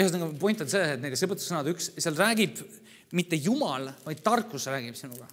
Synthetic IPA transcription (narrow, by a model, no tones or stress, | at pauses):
hst̪nɑɡupojnt̪ːˑɑd̪seːeet̪ned̪esɤpət̪ːusɤnɑd̪yksseɑlræːɡib̥ | mit̪ːe̞jumɑlvɑjd̪̥̚t̪ɑrkːˑusræːɡ̥ib̥sinuɡ̥ɑ